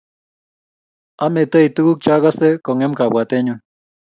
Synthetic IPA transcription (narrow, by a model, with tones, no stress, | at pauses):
a˦me˨t̪ə˦i˨t̪u˦ku˦k̚t͡ʃa˦ɣa˦se˦ko˨ŋe˦mka˨bwa˨t̪e˦ɲu˦